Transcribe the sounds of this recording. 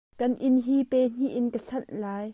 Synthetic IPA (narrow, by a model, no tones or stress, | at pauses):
kɐnʔɪnɦipɛːn̥iʔɪnkəɬɐnʔlaːj